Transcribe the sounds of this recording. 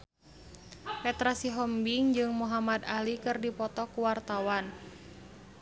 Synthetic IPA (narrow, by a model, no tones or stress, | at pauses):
pɛt̪ɾasiɦɔmbiŋd͡ʒɨŋmuɦamad̪alikɨrdipɔt̪ɔkuwart̪awan